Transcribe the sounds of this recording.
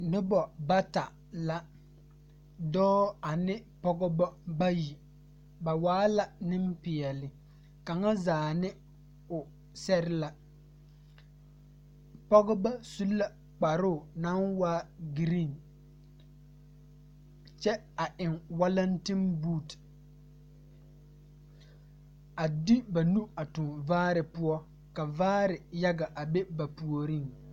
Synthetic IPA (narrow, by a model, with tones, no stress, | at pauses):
nɪ˦bɔ˨ba˦ta˨ | la˦ | dɔː˦a˨nɪ˦pɔ˦ɡɔ˦bɔ˦ba˦ji˨ | ba˨waː˦la˨nɪ˦mpɪ˨ɛ˨lɪ˨ | ka˨ŋa˦zaː˨nɪ˦ | ʊ˨ | sɛ˦ɾɪ˦la˦ | pɔ˦ɣʊ˦ba˦su˦lːa˦ | k͡pa˨ɾʊ˦˨na˦nwaː˦ɡi˨ɾi˦˨n | t͡ʃɛ˦ | a˨ʔɪ˨ŋwa˦la˦nti˦nbuː˦˨t | a˨dɪ˦ba˨nu˦a˨tʊ˨nvaː˦ɾɪ˨pʊ˦ɔ˦ | ka˨vaː˦ɾɪ˨ja˦ɡa˨ʔa˨be˦ba˨pu˨o˨ɾi˦˨ŋ